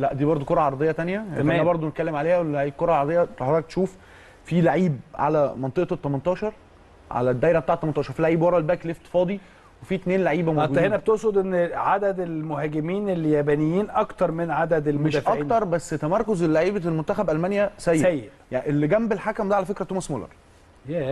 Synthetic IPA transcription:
læʔd̪iːbɑɾˤd̪ˤokoɾˤʔɑʕɑɾˤɑd̪ˤejːɑt̪ænjæʔænæbɑɾˤd̪ˤonet̪kælːemʕaleːhæwelʕiːbkoɾˤɑlʕɑɾˤɑd̪ejːɑt̪oħˤːɑk̚t̪e̥ʃuːf | filaʕiːb̚ʕa̰læmɑnt̪ˤeʔt̪ˤːɑmɑnt̪ˤɑːʃɑɾˤ | ʕa̰læd̪ːæːjɾæb̚et̪aːʕet̪ːɑmɑnt̪ˤɑːʃɑɾfilaʕiːbwɑɾˤɑlbæːkleft̪ːfɑːd̪ˤi | wefiːt̪neːnlaʕiːbæmoɡuːhenæbet̪oʔsod̪ʔenːʕad̪æd̪elmohæːɡemiːneljæbænejːiːnʔɑkt̪ɑɾˤmenʕad̪æd̪elmeʃæʔɑikːt̪ɑɾˤbæsːt̪æmɑɾˤkozelːaʕiːbælmont̪ːæxæbʔælmænjæsæjːæjːe̥ | janʔelːiɡæmbelħakæmd̪æʕalæfekɾæt̪oːmsmolɑ̰ɾˤ | jæ

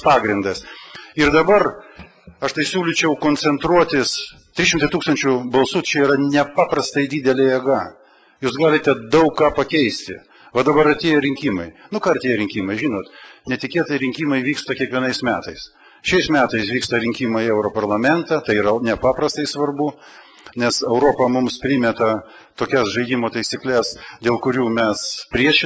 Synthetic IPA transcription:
pɑːɡɾʲɪnd̪ɐsɪɾd̪ɐbɐr | ɐʃt̪ɐɪsʲuːlʲɪt͡ʃʲɛʊkoːnʲsʲɛnt̪ɾuɔt̪ʲɪs | t̪ʲɾʲɪʃʲɪmt̪ɐɪt̪uːkst̪ɐnʲt͡ʃʲʊbɐlˠsuːt̪t͡ʃʲɛiːɾɐnʲɛpɑːpɾɐst̪ɐɪd̪ʲiːd̪ʲɛlʲɛjɛɡɐ | juːsɡɑːlʲɪt̪ʲɛd̪ɐʊkːɑːpɐkʲɛɪsʲt̪ʲɪ̰ | ʋɐd̪ɐbɐɾɐt̪ʲeːjɛɾʲɪŋʲkʲiːmɐɪnʊkɑːɾɐt̪ʲeːjɛɾʲɪŋʲkʲiːmɐɪʒʲiːnoːt̪nʲɛt̪ʲɪkʲeːt̪ɐɪɾʲɪŋʲkʲiːmɐɪʋʲiːkst̪ɐkʲiɛkʋʲiɛnɐɪsmʲæːt̪ɐɪs | ʃʲɛɪsmʲæːt̪ɐɪsʋʲiːkst̪ɐɾʲɪŋʲkʲiːmɐɛʊɾopɐrlˠɐmʲɛnt̪ɐt̪ɐɪiːɾɐnʲɛpɑːpɾɐst̪ɐɪsʋɐrbʊ | nʲɛsɛʊɾoːpɐmʊmspʲɾʲimʲɛt̪ɐ | t̪oːkʲɛsʒɐɪd̪ʲimoːt̪ɐɪsʲiklʲɛsd̪ʲeːlˠkʊɾʲuːmʲɛspʲɾʲiɛʃʲɪ

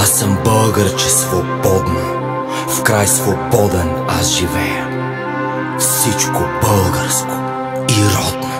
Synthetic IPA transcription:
asəmbəlˠɡəɾt͡ʃɛsvobɔd̪no | fkɾajsvobɔd̪ɛna̰sʒivɛjə | fsit͡ʃkobəlˠɡəɾsko̥ | iɾɔd̪no

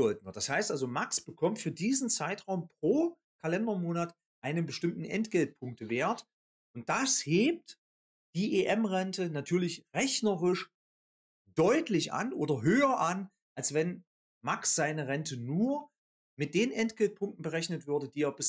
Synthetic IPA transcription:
ɔld̚nɐd̥ashaɪstʔalzomaksb̥əkʰɔmtfyːɐdiːzn̩t͡saɪtʁaʊmpʁ̥oː | kʰalɛndɐmoːnat | ʔaɪnənbəʃtɪmtn̩ʔɛ̰ntɡ̥ɛlt̚pʰʊŋk̚təveːɐt | ʔʊnt̚d̥asheːp̚t | d̥iːʔeʔɛmʁɛntʰənatʰyːɐlɪçʁɛçnəʁɪʃ | d̥ɔʏtlɪçʔa̰nʔoːdɐɦøːɐʔan | ʔalsv̥ɛn | maksz̥aɪnəʁɛntʰənuːɐ | mɪt̚d̥eːnʔɛntɡ̥ɛlt̚pʰʊŋktn̩bəʁɛçnətv̥ʏɐdəd̥iːeːɐbɪs

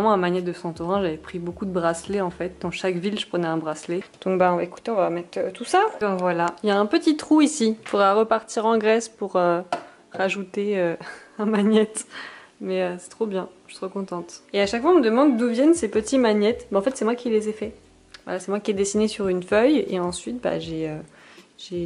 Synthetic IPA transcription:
ʁɛmɑ̃ɛ̃maɲjɛt̪̚d̪əsɑ̃t̪uʁɛ̃ʒavɛpχibokud̪əbʁasleɑ̃fɛt̪̚d̪ɑ̃ʃakvilʒəpχənɛɛ̃bʁasled̪̥ɔ̃k̚baeku̥t̪eɔ̃vamɛt̪øt̪usabɛ̃vwalailjaɛ̃pət̪it̪χuisifud̪ʁaʁəpaʁt̪iʁɑ̃ɡʁɛspuʁø | ʁaʒut̪eøɛ̃maɲjɛt̪ | mɛøsɛ̥t̪χobjɛ̃ʒə̥səʁəkɔ̃t̪ɑ̃t̪eaʃakfwaɔ̃məd̪əmɑ̃d̪ːuvjɛnsepət̪imaɲjɛt̪baɑ̃fɛt̪sɛmwakʲilezɛfɛ | vwa̰lasɛmwakʲiɛd̪esinesyʁynfœjḛɑ̃sɥit̪̚ba̰ʒeø | ʒe

